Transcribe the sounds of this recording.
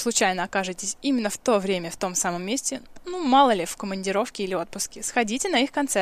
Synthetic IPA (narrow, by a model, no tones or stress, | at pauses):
slˠʊt͡ɕæjnəɐkaʐɨtʲɪsʲimʲɪnːəft̪o̞vɾʲemʲəft̪o̞msaməmːesʲtʲɪnumɑlˠəlʲɪfkəmənʲdʲɪɾo̞fkʲɪilʲɪo̞t̪̚pʊskʲɪsxɐdʲitʲɪnɐixkɐnt̪sɛ